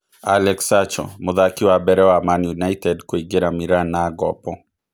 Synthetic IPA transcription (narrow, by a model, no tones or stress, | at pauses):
alɛksat͡ʃɔ̰mʊðakiwabɛɾɛwamanjunaitɛdkwiɡeɾamiɾanaːɡɔpɔ